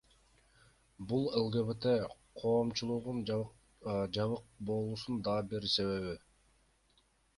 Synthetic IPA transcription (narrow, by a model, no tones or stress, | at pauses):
bulˠe̞lˠɡeβet̪e | qʰo̞ːmt͡ʃulˠuʁun | d͡ʒɑβɯq̚bo̞lˠusund̪ɑbiɾse̞βe̞βi